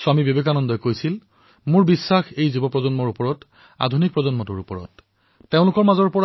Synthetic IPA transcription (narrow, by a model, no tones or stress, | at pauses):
samibebekanɔndɔjkojsil | mʊɹbisːaxejzubɔpɹɔzɔnmɔɹupɔɹɔt | a̰dʱunik̚pɹɔzɔnmɔtuɹupɔɹɔ̰tː | eʊ̃lʊkɔɹmazɔɹpɔ